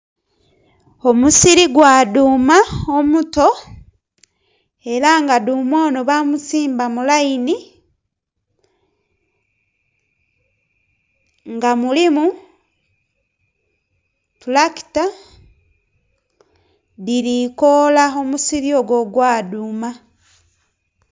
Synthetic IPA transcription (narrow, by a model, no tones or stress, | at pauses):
omusiɾiɡwaːduːmaomuto̞ | e̞ɾaŋɡadumwoːnoβamusiːmbamulaini | ŋɡamulimu | tulaki̥ta | diɾikolao̞musiɾio̞ɡo̞ɡwaːduːma